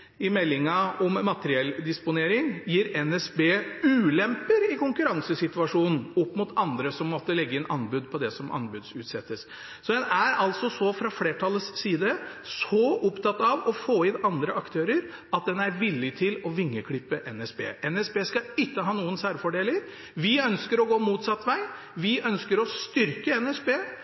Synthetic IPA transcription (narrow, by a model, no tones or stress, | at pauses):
ɪmɛlːɪŋəɔmmɑt̪əɾɪɛld̪ɪspʊneːɾɪŋjiːɾɛnɛsbeːʉːlɛmpəɾɪkʊŋkʉɾɑŋsəsɪt̪ʋɑʂuːnn̩ɔpːmʊt̪ʰɑnd̪ɾəsɔmːɔt̪ːəlɛɡːəɪnʔɑnbʉːd̪pʰɔd̪ɛsɔmʔɑ̰nbʉːd̪sʉ̰ːt̪sɛt̪ːəs | sɔd̪ɛnæɾɑlt̪sɔsɔfɾɑfleːʈʰɑlːəsːiːd̪əsɔʔʊpt̪ʰɑt̪ːɑʋɔfoːɪnɑnd̪ɾəɑkt̪ʰøːɾəɾ | ɑt̪̚d̪ɛnæɾʋɪlːɪt̪ʰɪlɔʋɪŋːəkʰɽɪpːəʔɛnɛspḛːʔɛnɛsbeːskɑɪkːəɦɑːnuːənsæːɾfɔɖeːləɾ | ʋɪœnskəɾɔɡoːmuːt̪sɑt̪ːʋæɪ | ʋɪʔœnskəɾɔst̪ʏɾkəɛnɛsbeː